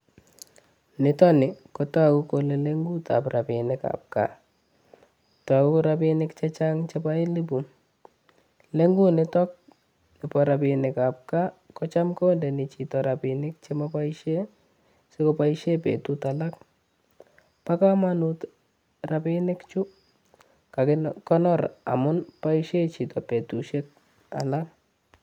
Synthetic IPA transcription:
nɪ˨tɔ˦nɪ˨kɔta˦ku˦kole˨le˦ŋɡu˦ta̰pra˨pɪ˨nɪka̰p̚ka̰˨ | ta˨ku˦ɾapɪ˦nɪ˦kt͡ʃɛ˦t͡ʃa˦ŋt͡ʃɛ˦pa˦ɪ˦li˦bu˨ | le˦ŋɡu˦nɪtɔ˦k̚ | nɪ˨pɔ˨ɾa˨pɪ˨nɪkap̚ka˦kɔt͡ʃa˦mkɔ˦ndɛ˨nɪ˨t͡ʃi˨tɔ˨ɾapɪ˨nɪk̚t͡ʃemapa˦iʃe˦ | seko˦pa˦iʃe˦pḛtutala˦k̚ | pa˦ka˦manut | ra˨pɪ˦nɪ˦kt͡ʃʊ˦ | ka˨kɔ˦nɔ˦ɾa̰˨mʊ˦npa˦iʃe˦t͡ʃi˨tɔpe˨tu˨ʃe˦k̚ | a̰˨lak

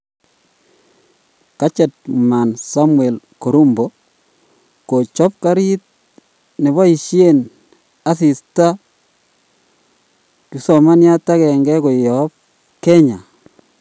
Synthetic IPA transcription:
ka˦t͡ʃɛ˨t̚ma˨nsa˦mwɛ˨lko˨ɾu˦mbo˨ | ko˨t͡ʃɔ˦p̚ka˦ɾi˦t̚ | ne˨βa˦i˨ʃje˦n | a˨si˨sta˦ | tu˨˦sɔ˨ma˦nja˦ta˦kɛ˨ŋɡɛ˦ko˨jɔ˨p̚ | kɛ˦ɲa˨

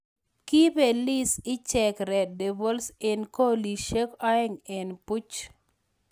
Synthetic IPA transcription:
ki˦pe˨li˦sɪ˦t͡ʃɛ˨kɾɛ˨de˨bo˦lse˨nko˦li˨ʃe˦kɔ˦ɛ˦ŋɛ˨npu˦t͡ʃ

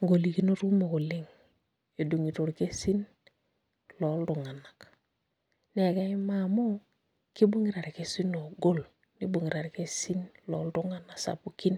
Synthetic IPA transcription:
ŋɡo˨li˨ki˦no˦ɾu˦mo˨ko˨li˦ŋ | e˨du˨ŋi˨to˨ɾke˦si˦n | lo˨˦ldu˨ŋa˨na˨k | ne˨ka˦i˦ma˨mu˦ | ki˦bu˦ŋi˦ɾa˨ɾke˦si˦no˨ɡo˦l | ni˦bu˨ŋi˨ɾa˨ɾke˦si˦nlo˨˦ldu˦ŋa˦na˨sa̰˨pu˦ki˦n

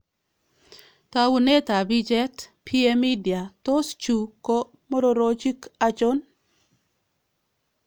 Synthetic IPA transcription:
ta˦wu˨ne˦ta˨bi˦d͡ʒɛ˦tpʰi˦e˦mi˦di˨a˨to˦st͡ʃu˨ko˦ | mo˦ɾo˨ɾo˦t͡ʃi˦ka˦t͡ʃɔ˦n

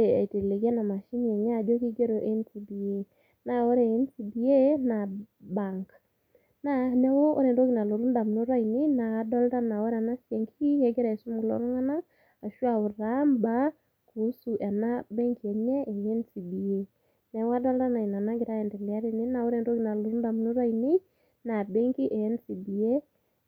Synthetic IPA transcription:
ḛ˨jte˨le˨kɛ˦na˨ma˨ʃi˦nɛ˨ɲa˦˨d͡ʒo˦ki˦ɡe˦ɾo˨ʔe˦nsi˨bi˨e˦ | na˨wɔ˦ɾɛ˨ɛ˦nsi˨bi˨e˦na˨ba˨ŋk | na˦nɛ˦wo˦ʔɔ̰˦ɾe˨ndo˦ki˨na˨lo˨ɾu˦nda˨mno˦ɾa˦i˨nɪ˦na˨a˨˦dɔ˦lta˦na˨wɔ˦ɾa˨na˦sjɛ˨ŋki˦jɛ˨ɡɛ˦ɾa˨su˦mɡlɔ̰˨˦nɔ˦ŋa˦na˦ŋ | a˨ʃwa˨ʊ˨ɾa˦mba˦ | ku˨˦su˨ʔɛ˨na˦bɛ˦ŋki˨ɛ˨ɲɛ˦ʔɛ˨jɛ˦nsi˨bi˨e˦ | nɛ˨wa˦dɔ˦lta˦na˨i˨na˨na˦ɡɪ˨ɾa˦ɛ˨ndɛ˨li˨a˦ɾi˨ni˦na˨wɔ˦ɾɛ˨ndo˦ki˦˨na˨lu˨ɾu˦nda˨m˨nu˦ɾa˦ini˦ | na˨bɛ˦ŋki˦ʔɛ˨ɛ˦nsi˨bi˨e˦

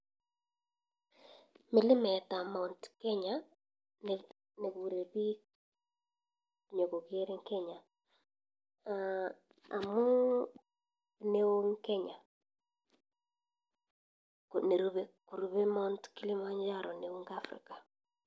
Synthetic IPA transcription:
mɪ˨lɪ˦mɛ˨ta˨mɔ˨ntkɛ˦ɲa | n | ne˨βu˨ɾe˨βi˦ | ɲo˨ɣo˨ɣje˦ɾe˦ŋkɛ˦ɲa˨ | a | a˨mu˦ | ne˦o˦ŋkɛ˦ɲa˨ | ne˨ɾu˦βeku˨ɾu˨βe˦mɔ˦ntki˦li˦ma˦ɲd͡ʒa˦ɾɔ˨ne˨o˦ŋɡa˦fɾḭ˨ka˨

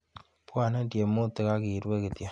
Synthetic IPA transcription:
pwaː˦˨ne˦ndje˨mo˦t̪e˨kakiɾwe˦ket̪ja˨

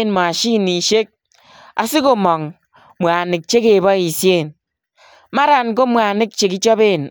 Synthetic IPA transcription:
nmɔ˨a˨ʃi˦˨ni˨ʃe˦k̚ | a̰˨si˦ko˨mɔ˨ŋ | mʷo˨a˨ni˨k̚t͡ʃe˦ke˨bɔ˦i˨sje˦˨n | ma˦ɾa˨n˨k̬o˦mʷa˨a˨ni˦k̚t͡ʃe˨ki˦t͡ʃɔ˦be˦˨n

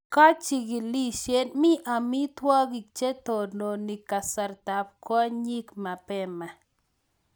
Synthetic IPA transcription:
ka˦t͡ʃi˨ɡɪ˨li˦ʃje˦nmɪ˦ʔa˨mɪ˦t̪wa˦ɡi˨k̚t͡ʃe˦t̪o˨ɾno˨ni˨ka˨sa˨ɾt̪a˨p̚ka˦ɲi˦kma˨pɛ˦ma˨

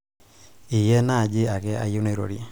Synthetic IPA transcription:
ɪ˨jɛ˦na˦˨d͡ʒɪ˦a˨ɡɛ˦a̰˦jʊ˦ne˦˨˦ɾo̰˨ɾi˨e˨

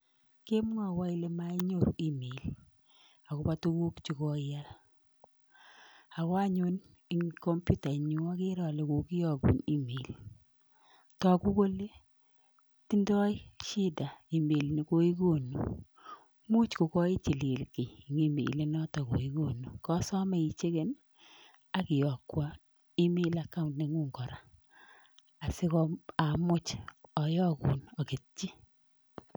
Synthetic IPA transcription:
ke˦m˦ŋa˨wa˦i˦le˦ma˦i˦ɲo˨ɾṵ˨i˦me˨l | a˨ko˦pa˦tu˦ku˦kt͡ʃi˨kɔ˦a˦l | a˨ka˦ɲu˦n | i˦ŋkɔ˦mpju˦ta˨ɲu˦a˦ke˦ɾɔ˨le˨ko˨ki˦jɔ˨ɡṵ˨ni˦me˨l | tɔ˨ku˦ko˦le˦ | ti˦ndɔ˦jʃi˦da˨i˨me˨lni˨ko˦i˦ɡo˦˨nṵ˨ | mu˦t͡ʃko˨kɔ˦i˦t͡ʃi˨li˨lke˨jŋi˦mḭ˨le˦nɔ˦tɔ˨ko̰˨i˦ko˦nu˨kɔ˦sɔ˦mɛ˨i˨t͡ʃe˦ke˦n | a˦kɪ˨jɔ˨kwa˦ | i˦mi˦la˦ka˦untne˨ŋu˦ŋɡɔ˨ɾa̰˨ | a˨sɪ˦kɔ˦a˨mʊ˦t͡ʃɔ˨jɔ˦kṵ˨nɔ˨ki˨t̚t͡ʃi˦

